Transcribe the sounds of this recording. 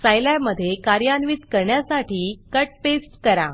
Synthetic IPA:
sajlaməd̪ʱːjekaɾjanʋiːt̪kəɾɳjasaʈiːkəʈ̚pesʈkəɾa

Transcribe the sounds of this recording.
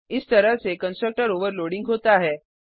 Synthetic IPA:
ɪst̪əɾəɦsekənsʈɾək̚ʈəɾoʋəɾloɽĩŋɡɦot̪aɦɛ

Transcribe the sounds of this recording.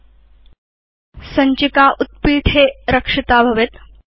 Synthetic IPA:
səɲt͡ɕikaʔut̪̚piːʈʰeɾəkʂit̪aːbʱɐʋet̪

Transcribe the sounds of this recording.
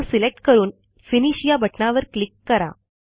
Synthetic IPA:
ɾsilek̚ʈkəɾuːn | finiɕijabʱəʈnaʋəɾklikːəɾa̰

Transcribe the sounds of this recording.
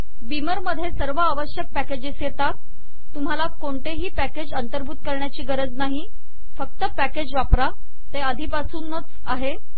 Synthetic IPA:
biməɾməd̪ʱːjesəɾʋəːʋəɕjək̚pæked͡ʑesjet̪at̪ː | um̤alakoɳʈ̪eɦiːpæked͡ʑənt̪əɾbʱuːt̪kəɾɳjat͡ɕiːɡəɾəd͡znaɦi | fək̚t̪əpæked͡ʑʋapɾa | t̪eəd̪ʱiːpasuːnːət͡s | aɦe

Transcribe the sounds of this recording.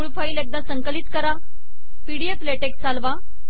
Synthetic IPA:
muɭfaiːlek̚d̪ãsəŋkəlit̪kəɾa | piɽiefleʈekt͡salʋa

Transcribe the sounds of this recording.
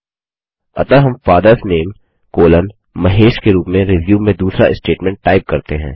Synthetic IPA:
ɐ̰t̪əɾɦɐmfaːd̪əɾsneːm | koːlən | mɐɦeːʃkeɾuːpmẽɾɪʋjuːmẽd̪uːsɾaʔɪsʈeːʈmɛ̃ɳʈːaːɪp̚kɐɾt̪eɦɛ̰̃ː

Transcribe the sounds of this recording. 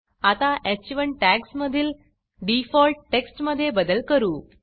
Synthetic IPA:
at̪aʔet͡ɕʋəɳʈæksməd̪ʱiːl | ɖifɔlʈ̚ʈeksʈməd̪ʱːjebəd̪əlkəɾuː

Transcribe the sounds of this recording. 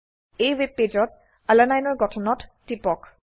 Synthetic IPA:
ejweb̚ped͡ʒɔt̚ | alanajnɔɹɡɔtʰɔnɔtːipɔk

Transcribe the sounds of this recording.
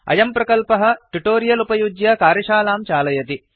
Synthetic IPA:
ɐ̰jɐmpɾɐkɐlpɐɦɐ̆ʈuʈoːɾijɐlupɐjud͡ʒjɐkaːɾjɐʃaːlaːmt͡ʃaːlɐjɐt̪i

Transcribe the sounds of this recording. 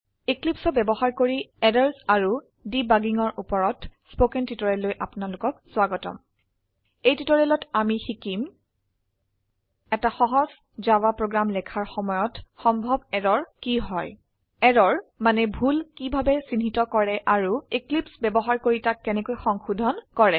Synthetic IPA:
iklipsɔbɛbɔɦaɹkoɹiɛdaɹsaɹu | dibaɡiŋɔɹʔupɔɹɔtspokɛntitɔɹɛlːojʔapnalʊkɔk̚swaɡɔtɔ̰m | ejtitɔɹɛlɔtamixikim | ɛtaxɔɦɔz | zawapɹoɡɹamlɛkʰaɹxɔmɔjɔtxɔmbʱɔbɛɹɔɹkiɦɔj | ɛɹɔɹmanɛbʱulkibʱabɛsinɦitɔkɔɹɛʔaɹuiklipsbɛbɔɦaɹkoɹitakːɛnɛkojxɔŋxudʱɔnkɔɹɛ

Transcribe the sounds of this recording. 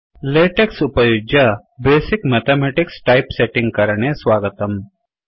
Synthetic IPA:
leːʈeksʊpəjod͡ʒa | beːsɪkmeːt̪ʰemɛːʈɪksʈaːɪpseʈɪ̃ŋɡ̚kɐɾɳeswaːɡət̪əm

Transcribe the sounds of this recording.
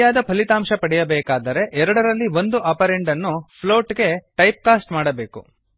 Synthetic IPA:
jaːd̪ɐpʰɐlit̪aːmʃɐpɐɽɛjɐbɛːkaːd̪ɐɾe̞ʔɛɾɐɽɐɾɐlːiʋo̞nd̪uʔɐpɐɾeɳɖɐnːuppʰlo̞ːʈɡe̞ʈɐjp̚kaːsʈmaːɽɐbeːkṵ

